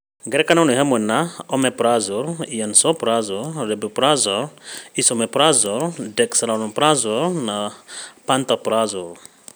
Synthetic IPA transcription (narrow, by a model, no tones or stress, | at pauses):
ɡɛɾɛkananuɦamɛnaɔmɛpɾazɔɾijansɔpɾazɔɾɾɛbupɾazɔɾisɔmɛpɾazɔɾdɛksalanɔpɾazɔɾnapant̪apɾazɔɾ